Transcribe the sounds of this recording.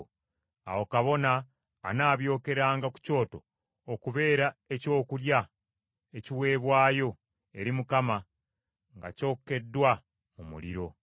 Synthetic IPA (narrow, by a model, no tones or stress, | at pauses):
a̰wokaβo̞na̰ː | naːβjo̞ːke̞ɾaːŋɡaku̥co̞ːto̞ː | kuβe̞ːɾae̞co̞ːkulja | e̞ciwe̞ːβwaːjo̞ | e̞ɾimukama | ŋɡa̰co̞ːkːe̞dːwa | mumṵlḭɾo̞